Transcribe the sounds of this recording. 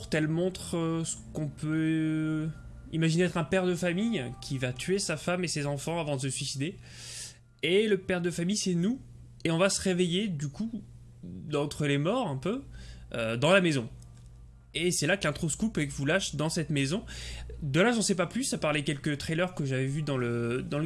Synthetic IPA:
ʁt̪ɛlmɔ̃t̪χəsə̥kɔ̃pʰø | imaʒineɛt̪χɛ̃pɛʁd̪əfamijkʲʰivat̪ʰɥesafamesezɑ̃fɑ̃avɑ̃d̪əsəsɥisid̪e | eləpɛʁd̪əfamijsɛnu | eɔ̃vasəʁevejed̪yku | d̪ɑ̃t̪χəlemɔʁɛ̃pøød̪ɑ̃lamezɔ̃ | esɛlakəlɛ̃t̪χoskupekvulaʃd̪ɑ̃sɛt̪mezɔ̃d̪əlaʒɑ̃sɛpaplysapaʁlɛkʲɛlkət̪χelœʁkəʒavɛvyd̪ɑ̃ləd̪ɑ̃lə

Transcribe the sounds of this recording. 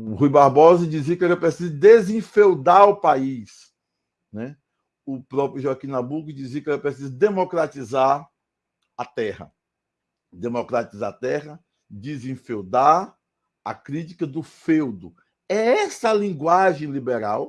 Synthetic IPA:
hujbaɾbɔzɐd͡ʒizikɪɛɾepɾesizʊd̪ezẽfewd̪aɾʊpais | nɛ | ʊpɾɔpɾʊʒoakĩnãbuɡʊd͡ʒizikɛɾepɾesizʊd̪emɔkɾat̪izaɾ | ɐt̪ɛhɐ̰ | d̪emokɾat̪izat̪ɛɦɐ | d͡ʒ̪izẽfewd̪aɾ | a̰kɾit͡ʃi̥kɐd̪ʊfewd̪ʊ | ɛɛsɐlĩɡwaʒẽj̃libeɾaw

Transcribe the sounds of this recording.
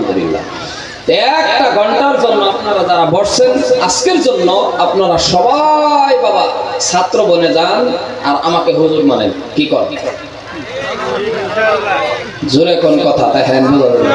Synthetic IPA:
d̪ubḭlːa̰ | t̪ɛkʈaɡʱɔɳʈaɾd͡ʑonːoapnaɾad͡ʑaɾabɔɾsʰenaskeɾd͡ʑonːoapnaɾaʃɔbajbabasat̪ːɾoboned͡ʑan | aɾamakeɦuzuɾmanen | kikɔɾ | d͡ʑuɾekonkɔt̪ʰat̪ɛɦɛnbulodi

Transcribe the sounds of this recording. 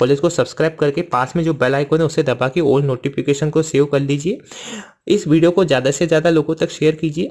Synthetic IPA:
pɔlɪskosɐbskɾaːɪb̚kɐɾkepaːsmẽd͡ʒoːbɛlaːɪkõnẽʊsed̪ɐbakioːlɖnoːʈipɪkeːʃənkoseːʋkɐɾliːd͡ʒieː | ɪsʋiːɖijokozjaːd̪asezjaːd̪aloːɡõt̪ɐkʃeːjəɾkiːd͡ʒieː

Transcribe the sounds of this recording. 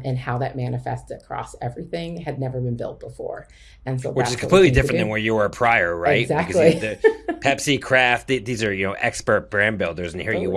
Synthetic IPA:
ʔɨ̃nhaʊðɨt̚mænɨfɛ̰stɨkʰɹ̥ɔ̰sɛvɹiθɪ̃ŋɨdⁿnɛvə˞bɨ̃nbɪ̰lˠt̚b̥əfɔ̰ɹ | ɨ̃nsoʊwɨt͡ʃɨz̥kʰmpʰlitˡlidɪfɹɨ̃ðɨ̃nwə˞jəə˞pʰɹ̥aɪə˞ɹaɪt̚zæk̚kʰʌliðɨpʰæpsikʰɹ̥æft̪̚ðiðizə˞jɨnoʊʔɛ̰kspə˞t̚b̥ɹæ̃nbɪlˠdə˞zɨ̃n̩hiɹjɨ

